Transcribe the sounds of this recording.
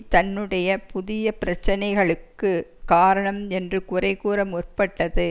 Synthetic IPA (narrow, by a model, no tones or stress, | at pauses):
t̪ɐnːɯɽɐjɐpʊðɪjɐpɪɾɐt͡ʃːɐnɐɪɣɐɭɯkːɯkaːɾɐɳɐmɛndrɯkʊrɐɪkuːɾɐmɔrpɐʈːɐðɯ